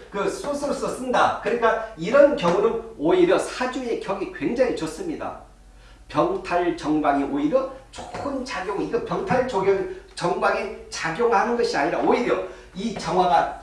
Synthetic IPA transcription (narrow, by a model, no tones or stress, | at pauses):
kɯs͈osʰɯɾos͈ʌs͈ɯnda̰kɯɾɲik͈aiɾʌnkjʌŋunɯnoiɾjʌsʰad͡ʑue̞kjʌɡikwe̞ŋd͡ʑaɲit͡ɕʌs͈ɯmɲida̰ | pjʌŋtʰaɭt͡ɕʌŋbaŋiʔoiɾjʌt͡ɕʰo̥kɯnt͡ɕaɡjoŋiɡʌpjʌŋtʰaɭt͡ɕoɡot͡ɕʌŋbaŋet͡ɕaɡjoŋɭhanɯnɡʌɕʰiaɲiɾaoiɾjʌ | it͡ɕʌŋɦwaɡa